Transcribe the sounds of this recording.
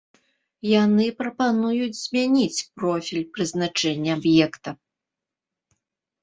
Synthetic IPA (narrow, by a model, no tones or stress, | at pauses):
janɨpɾɐpanujud͡zʲz̥ʲmʲanʲit͡sʲpɾɔfʲilʲpɾɨznat͡ʂɛnʲːɛabjɛkt̪ɐ